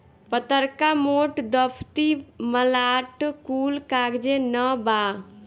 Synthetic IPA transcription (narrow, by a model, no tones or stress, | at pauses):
pət̪əɾkamoʈd̪əpʰt̪iməlaʈkuːlkaɡd͡ʒenəba